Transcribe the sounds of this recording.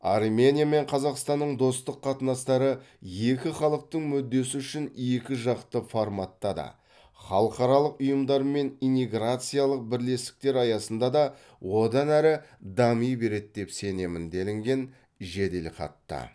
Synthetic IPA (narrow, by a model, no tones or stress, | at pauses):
ɑrmʲenʲijame̞ɴqʰɑzɑqst̪ɑnːəɴd̪o̞st̪əqʰːɑt̪ənɑst̪ɑɾəje̞kʲɪχɑlˠəq̚t̪əɴmʏd̪ːe̞sɪʏʃɪnje̞kʲɪʒɑqt̪əformɑt̪ːɑd̪ɑ̰ | χɑlˠəqɑɾɑlˠəqʊjəmd̪ɑɾəme̞nijnʲːijɡrat̪sɨjalˠəq̚bɪɾle̞st̪ɪ̥k̚t̪e̞ɾɑjɑsənd̪ɑd̪ɑ | wo̞d̪ɑnæɾɪd̪ɑmijbe̞ɾe̞d̪d̪e̞pse̞ne̞mɪnd̪e̞lɪŋɡʲe̞n | ʒe̞d̪elʲχɑ̰t̪ːɑ̰